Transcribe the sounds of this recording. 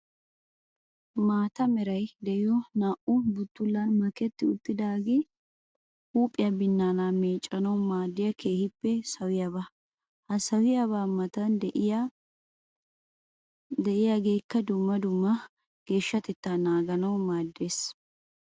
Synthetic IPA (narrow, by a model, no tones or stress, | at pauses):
maːt̪ɐmɛɾɐjd̪ɛʔɪjɔnaːʔʊbʊt̪ːʊlːɐnmɐkɛt̪ːɪʊt̪ʼːɪd̪aːɡɪ | huːpʼːɪjɐbɪnːaːnameːt͡ʃʼːɐnɐwmaːd̪ːɪjɐkʰe̞ːhɪpːɛsɐwɪjɐβa | hɐsɐwɪjɐβaːmɐt̪ɐn | d̪ɛʔɪjaɡe̞ːkːɐd̪ʊmːɐd̪ʊmːɐ | ɡ̥e̞ːʃːɐt̪ɛt̪ːanaːɡɐnɐwmaːd̪ːe̞ːs